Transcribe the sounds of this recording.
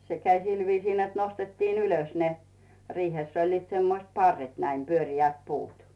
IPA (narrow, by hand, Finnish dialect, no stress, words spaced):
se kæi sil ʋiːsiː net nostetːiːn yløs ne riːheˑsː olʲliːt semːoĭst pɑrːet næim pyørʲiæt puːt